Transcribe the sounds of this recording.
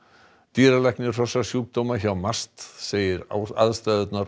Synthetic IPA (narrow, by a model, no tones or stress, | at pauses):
t̪iːɾalɛknɪr̥ɔsasjuːk̚d̪owmaçawmast̪seːjɪɾa̰a̰ðst̪ɛːðʏt̪naɾ